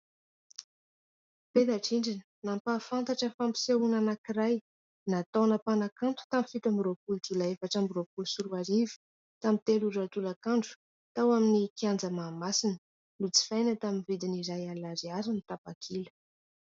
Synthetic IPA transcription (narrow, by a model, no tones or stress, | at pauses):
pet̪aʈ͡ʂiɳɖ͡ʐinənampafant̪aʈ͡ʂəfampi̥seunanakiɾaj | nat̪onəpanakant̪u̥t̪amifit̪ambiropuld͡zulaefaʈ͡ʂambiropulusuɾuaɾivi̥ | t̪amit̪eluɖ͡ʐat̪ulakaɳɖ͡ʐu̥ | t̪awaminikiand͡zəmaːmasinə | nut͡si̥fajnət̪aminvid̪iniɾajalaɾiaɾinit̪apakʰilə̥